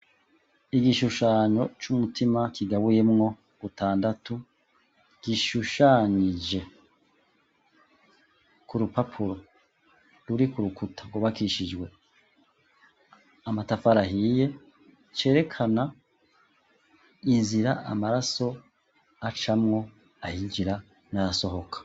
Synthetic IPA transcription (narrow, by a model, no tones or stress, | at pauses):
iɡiʃuʃaːɲo̞t͡ʃumutʰimakʰiɡaβuje̞mŋo̞ | ɡutaːndatu | ɡ̥iʃuʃaɲid͡ʒe̞ | kuɾupapʰuɾo̞ | ɾuɾikuɾukutʰaɡoβakiʃid͡ʒɡwe̞ | amatafaɾaɦiːje̞ | t͡ʃe̞ːɾe̞kʰana | inziɾaamaɾaso̞ | at͡ʃamŋo̞ | ahiɲd͡ʒiɾa | najaso̞ho̞kʰḁ